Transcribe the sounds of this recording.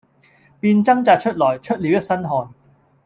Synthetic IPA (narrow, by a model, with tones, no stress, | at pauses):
piː˧nt͡sɐ˥ŋt͡saː˨˧t̚t͡ʃʰɵ˥t̚lɔː˨˩jt͡ʃʰɵ˥t̚li˨˧wjɐ˥t̚sɐ˥nɦɔː˨n